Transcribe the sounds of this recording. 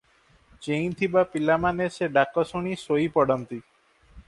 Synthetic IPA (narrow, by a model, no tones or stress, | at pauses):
t͡ʃẽj̃t̪ʰibapilamaneseɖakɔsɔɽ̃isoipɔɽɔnt̪i